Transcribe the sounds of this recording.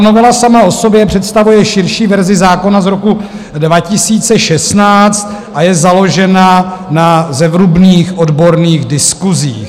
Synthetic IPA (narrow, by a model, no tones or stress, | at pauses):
novɛlasamao̞so̞bjɛpr̝̥ɛt̪st̪avujɛʃɪɾʃiːvɛɾzɪzaːko̞nazɾo̞ku | dvacɪsiːt͡sɛʃɛsnaːt͡st̪̚ʔajɛzalo̞ʒɛnanazɛvɾubniːxʔo̞dbo̞ɾniːɣdɪskuzḭːx